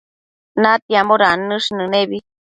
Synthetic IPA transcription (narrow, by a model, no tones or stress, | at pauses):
nat̪iamoɾanɨʂnɨneβi